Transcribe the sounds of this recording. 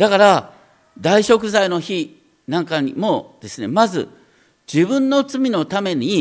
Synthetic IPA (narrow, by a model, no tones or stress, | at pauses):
d̪̥akaɾa | d̪aiɕo̞kɯ̟zaino̞çi | nãŋkaɲḭmo̞d̪̥e̞sɨne̞mazɨ̰ | d͡ʑibɯ̟̃nːo̞t͡sɨmʲino̞t̪ame̞ɲ̟i